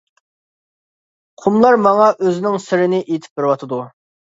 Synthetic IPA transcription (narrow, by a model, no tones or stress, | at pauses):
qʰumlˠɑɾmɑŋɑʔøzɪnɪŋsɪɾɪnɪʔet̪ʰɪ̥p̚bɪɾwɑt̪ʰɨd̪u